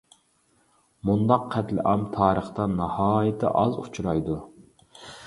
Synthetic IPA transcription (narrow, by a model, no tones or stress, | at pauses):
mund̪ɑqʰːɛt̪lɪ̰ʔɑmt̪ʰɑːɾəχt̪ɑnɑhɑːjɪt̪ʰɪ̰ʔɑzut͡ʃʰuɾɑjd̪u